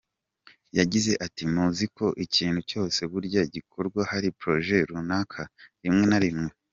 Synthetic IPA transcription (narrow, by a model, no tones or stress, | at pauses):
jaɟize̞ʔatimuziko̞ʔiciːn̥huco̞ːse̞βuɾɟaiɟikʰo̞ɾɡwahaɾipɾo̞ʒe̞ɾunakʰaɾimŋe̞naɾimŋe